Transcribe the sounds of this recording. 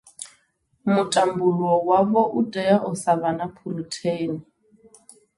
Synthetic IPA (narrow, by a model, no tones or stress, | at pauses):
mʊtʼambulwɔwaβɔʔutʼɛaʔʊsabanapʰurutʰeːni